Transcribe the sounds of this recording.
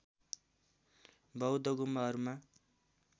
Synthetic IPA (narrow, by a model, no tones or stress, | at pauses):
bʌwd̪ʌɡumʌʌɾuma